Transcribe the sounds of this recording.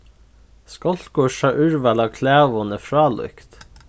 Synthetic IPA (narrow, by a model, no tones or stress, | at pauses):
skɔlt̪ɡuʃɑʔʉɹʋælɑːkʰlæːʋʊnəfɹɑːlʔʊ̰kt̪